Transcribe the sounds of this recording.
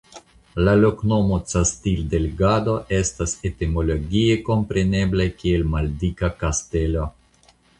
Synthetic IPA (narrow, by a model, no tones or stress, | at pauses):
lalo̞kno̞mo̞t͡sastildeleɡado̞ʔe̞stasetimo̞lo̞ɡieko̞mpɾe̞ne̞blajkie̞lmaldikakaste̞lo̞